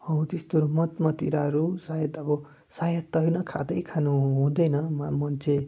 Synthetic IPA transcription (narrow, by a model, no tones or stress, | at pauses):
ʌũt̪est̪oɾumʌt̪mʌt̪ḭɾaɾusajʌt̪ʌbʌ | sajʌt̪ːʌɦjnʌkʰa̰d̪ʌjkʰanuɦũd̪ʌjnʌmamʌnt͡sʰe